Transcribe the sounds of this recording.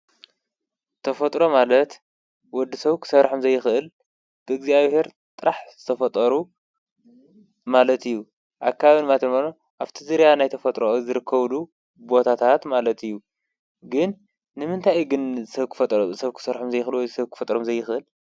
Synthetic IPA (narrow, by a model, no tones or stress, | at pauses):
t̪ʰɐfɐt̪ʼɾo̞malɐt̪ | wɔd̪ːisɐβkʰɨ̥sɐɾħomzɐjːɪxʔɨl | b̥ɨɨɡziaβhe̞ɾt̪ʼɨɾʔaħz̥ɨt̪ʰɐfɐt̪ʼɐɾu | malɐt̪ʰijːu | ʔakʰːaβaβinmat̪ʰɐnono | ʔaβt̪ʰizɨɾjanajt̪ʰɐfɐt̪ʼɾozɨɾɨkʰːɐβlu | bo̞t̪ʰat̪ʰat̪malɐt̪ɨjːu | ɡɨnː | ɨmɨnt̪ʰajɡɨnzɨsɐβkʰɨ̥fɐt̪ʼsɐβkʰɨ̥sɐɾħomzɐjːɪxɨlwɔjd̪sɐβkɨ̥fɐt̪ʼɾomzɐjːɪxʔɨl